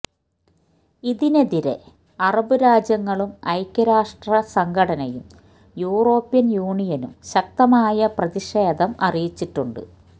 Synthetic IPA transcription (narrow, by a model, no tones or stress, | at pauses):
iðineðiɾḛ | ɐrɐbɨɾaːd͡ʑjɐŋːɐɭumɐjkʲːɐɾaːʂʈrɐsɐŋɡʰʱɐɽɐnɐjum | juːro̞ːpːijɐnjuːɳijɐnumɕɐk̚t̪ɐmaːjɐprɐðiʂeːd̪ɐmɐ̰rijit͡ɕːiʈːuɳɖɨ̰